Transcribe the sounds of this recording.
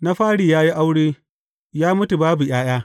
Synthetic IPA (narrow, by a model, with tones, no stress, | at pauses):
na˦ɸaː˦ɽiː˨jaː˦ji˦ʔa˦wɽeː˦ | jaː˦mʊ˦tu˨baː˦bu˨j̰aː˦j̰aː˦